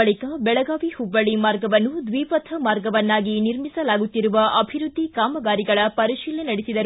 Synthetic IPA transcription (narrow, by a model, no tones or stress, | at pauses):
ɐɭikɐbɛɭɐɡaːʋihubːɐɭimaːɾɡɐʋɐnːud̪ʋiːpɐt̪ʰɐmaːɾɡɐʋɐnːaːɡiniɾmisɐlaːɡut̪ːiɾuʋɐʔɐbʱiɾud̪ʱːikaːmɐɡaːɾiɡɐɭɐpɐɾiʃiːlenɐɽesid̪ɐɾu